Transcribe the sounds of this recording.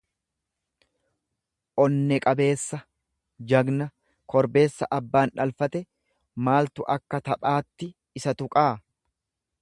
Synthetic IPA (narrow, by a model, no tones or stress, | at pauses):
ʔɔnːɛkʼɐbe̞ːsːɐ | d͡ʒɐɡnɐ | kʰɔɾbe̞ːsːɐʔɐbːaːnᶑɐlfɐt̪ɛ | maːlt̪ʊʔɐkːɐt̪ɐpʼaːt̪ːɪ | ɪsɐt̪ʊkʼaː